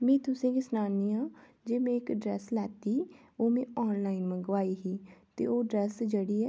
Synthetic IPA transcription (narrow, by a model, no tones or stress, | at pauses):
mẽːt̪ʊsẽkisnaːniã | d͡ʒeːmẽɪkɖɾɛːslɛːt̪i | oːmẽɔːnlaːɪnmə̃ɡʋaːiɦit̪ḛoːɖɾɛːsd͡ʒəɽiɛ